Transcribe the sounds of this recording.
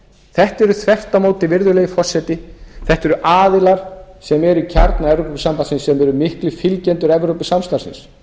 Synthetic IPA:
θɛht̪ɛɾʏθvɛft̪amoːwt̪ɪvɪɾðʏlɛːɣɪfɔr̥sɛt̪ɪθɛht̪ɛɾʏʔaːðɪlaɾ̥sɛmɛɾicʰaɾt̪naɛvɾowppɪsampansɪnsːɛmɛɾʏmɪhklɪfɪlcɛnt̪ʏɾɛvɾowpɪsamst̪aɾsɪ̰ns

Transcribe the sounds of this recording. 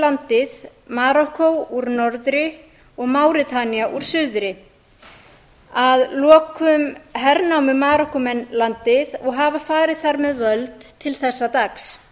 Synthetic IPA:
lant̪ɪðmaːɾɔhkowuɾnɔɾðɾɪ | ɔɣmawɾɪt̪ʰaniaʔuɾ̥sʏðʏɾɪ | aðlɔːkʏmɦɛɾnawmʏmaːɾɔhkɔmɛnlant̪ɪðɔɣɦavafaːɾɪðθaɾmɛðvœlt̪ʰːɪlθɛsːat̪aks

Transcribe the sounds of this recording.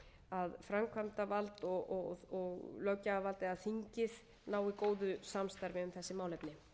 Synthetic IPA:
aðfɾamkʰvam̥t̪avalt̪ɔɔɔɣlœɥcaːvalt̪ɛaðθiɲcɪð | naːwikoːwðʏsamst̪aɾvɪʏmθɛsːɪmaːwlɛpnɪ

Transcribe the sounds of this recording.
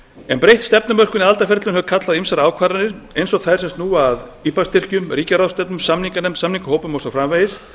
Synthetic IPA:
ɛnpɾejht̪st̪ɛpnʏmœr̥kʏniðalt̪afɛɾt̪lʏnhœvkʰat̪laðimsaɾaːwkʰvaːɾanɪɾ̥ejnsɔɣθaðɾsɛmst̪nuːaðiːpast̪ʰɪr̥cʏmriːcaɾawst̪ɛpnʏmsamniŋkanɛmsamniŋkʏhoːwpʏmowsawfɾamvejɪs

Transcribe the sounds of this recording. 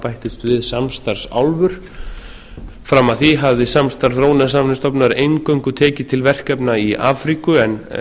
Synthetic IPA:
pajht̪ɪst̪vɪðsamst̪aɾ̥sa̰wlvʏɾ̥ | fɾamːaðθiɦavðɪsamst̪aɾ̥θɾoːwnasamnɪst̪ɔpnaɾejŋkœwŋkʏt̪ʰɛːcɪt̪ʰɪlvɛr̥kɛpnaiʔa̰ːfɾikʏɛn

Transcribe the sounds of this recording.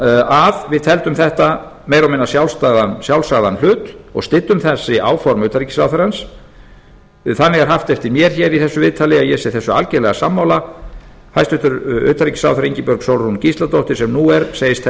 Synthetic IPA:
aðvɪðt̪ʰɛlt̪ʏmθɛht̪a | mejɾawmɪnːasjawlst̪aːðansjawlsaðanl̥ʏːt̪ɔ̰ɣst̪ɪt̪ːʏmθɛsːɪʔaːwfɔɾmʏːt̪aɾicɪ̥sawθœɾans | θanːɪɣɛɾ̥ɦaft̪ɛft̪ɪɾmjɛɾ̥çɛɾiθɛsːʏvɪðt̪ʰaːlɪajɛsɛθɛsːʏa̰lcelɛɣasamːawla | hajst̪ʏht̪ʏɾʏ̰ːt̪aɾicɪ̥sa̰wθœɾiɲcɪpœɾksowlɾuncist̪lat̪oht̪ɪ̥sɛmnuɛɾsejɪst̪

